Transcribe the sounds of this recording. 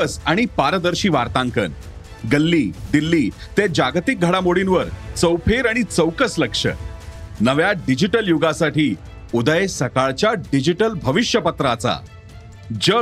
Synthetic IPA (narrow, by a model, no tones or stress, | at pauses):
əsaɽ̃ipaɾəd̪əɾɕiːʋaɾt̪ãŋkə̰n | ɡəlːiːd̪ilːiːt̪ed͡ʑaɡt̪ik̚ɡʱəɽamoɽinʋəɾt͡səwpʰeɾaɽ̃it͡səwkəsləkʂə̰nəʋjaɖid͡ʑiʈəljuɡasaʈiː | ud̪əjesəkaɭt͡ɕjaɖid͡ʑiʈəlbʱəʋiɕjəpət̪ɾat͡sa̰ | d͡ʑə